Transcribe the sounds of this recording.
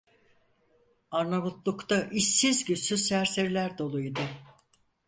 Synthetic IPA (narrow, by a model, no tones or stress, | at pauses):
aɾnaβut̪lˠukt̪ʰaʔiʃːizɟysysæɾse̞ɾilʲæɾd̪o̞lˠuid̪ɯ